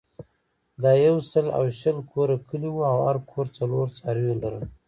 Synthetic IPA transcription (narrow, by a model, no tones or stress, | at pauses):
d̪ɑjawsəla̰wʃəlkʰoɾakʰəliwuawaɾkʰoɾt͡saloɾt͡sɑɾijolaɾə